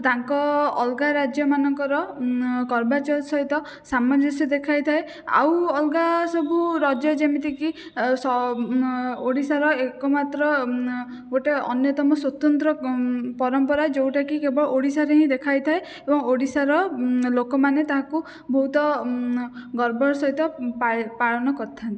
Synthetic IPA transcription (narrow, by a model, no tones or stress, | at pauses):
t̪aŋkɔːlɡaɾad͡ʒjɔmanɔŋkɔɾɔkɔɾbat͡ʃɔlsɔɦit̪ɔ | samɔd͡ʒɔsid̪ekʰajt̪ʰae | a̰wɔlɡasɔbuɾɔd͡ʒjɔd͡ʒemit̪iki | sɔ | oɽisaɾɔekɔmat̪ɾɔ | ɡoʈeɔ̰njɔt̪ɔmɔswɔt̪ɔnt̪ɾɔpɔɾɔmpɔɾaed͡ʒewʈakikebɔɭɔʔoɽisaɾeɦĩd̪ekʰajt̪ʰae | ebɔŋoɽisaɾɔlokɔmanet̪aɦãku | bʱɔɦut̪ɔ | ɡɔɾbɔɾɔsɔɦit̪ɔpapaɭɔnɔkɔɾt̪ʰant̪i